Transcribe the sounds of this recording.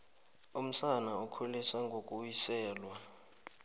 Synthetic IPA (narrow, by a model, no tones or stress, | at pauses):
um̩sanaukʰulisaŋɡʱokʼuwisɛːlwa